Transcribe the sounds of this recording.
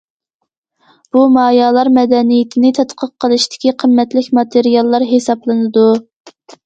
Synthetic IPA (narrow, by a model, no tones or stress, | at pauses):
b̥umɑːjɑːlˠɑɾmɛd̪ɛnijɪt̪ʰɪnɪt̪ʰɛt̪qʰəqːəlˠɨʃt̪ʰɪ̥kʲiqʰəmːɛt̪lɪkʲmɑt̪ʰeɾijɑlˠːɑɾɦesɑplˠɨnɨd̪u